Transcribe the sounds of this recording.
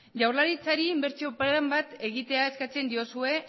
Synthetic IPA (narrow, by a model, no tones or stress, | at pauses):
ʝawɾlaɾit͡saɾiːmbe̞ɾt͡sio̞paambat̪e̞ɣ̞it̪e̞ae̞skat͡se̞nd̪io̞sue̞